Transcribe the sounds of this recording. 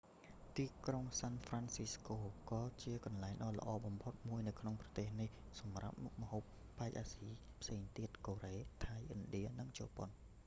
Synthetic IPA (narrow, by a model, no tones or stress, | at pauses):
t̪iːkroŋsaːnfransiskoːkɑːt͡ɕiəkɑnlaɛŋɗɑːlə̰̆ʔɑːɓɑmpʰot̪̚muəjnɨwkʰnoŋprɑ̥t̪eːhnih | sɑmra̰p̚muk̚mə̆hoːpːaɛk̚ʔaːsiː | pʰseːŋt̪iət̪̚koːreːt̪ʰajʔɨnɗiənɨŋt͡ɕoːpon